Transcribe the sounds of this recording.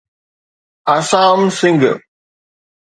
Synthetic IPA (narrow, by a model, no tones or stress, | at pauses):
ɐsaːmsɪŋɡɨ